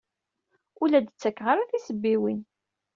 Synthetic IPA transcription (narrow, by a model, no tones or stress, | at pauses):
ʊlæd̪ət͡sːækːʁaɾaθisəbːiwin